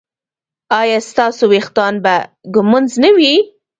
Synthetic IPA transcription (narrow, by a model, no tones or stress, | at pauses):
ɑjɑst̪ɑsowext̪ɑnba | ɡʊmʊnznəwi